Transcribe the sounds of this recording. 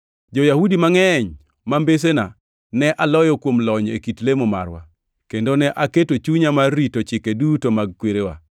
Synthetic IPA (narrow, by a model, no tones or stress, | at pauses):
d͡ʒojahudimaŋɛɲ | mambes̬ena | nɛʔalɔjɔkwomlɔɲḛkitlemoma̰ɾwa̰ | kendonɛʔaketot͡ʃuɲamarːitot͡ʃɪkedutomaɡ̚kweɾewa̰